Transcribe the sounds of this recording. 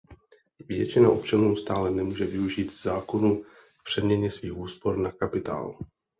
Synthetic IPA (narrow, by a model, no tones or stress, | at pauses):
vjɛ̰t͡ʃɪnaʔo̞pt͡ʃanuːst̪aːlɛnɛmuːʒɛvɪuʒiːt̪zaːko̞nu | kpr̥ɛmɲɛɲɛsviːxuːspo̞ɾnakapɪt̪a̰ːl